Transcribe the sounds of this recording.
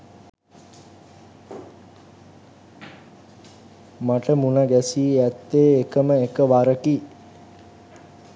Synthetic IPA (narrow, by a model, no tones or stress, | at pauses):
maʈəmunəɡæsiːæt̪ːeːekəməekəʋaɾəki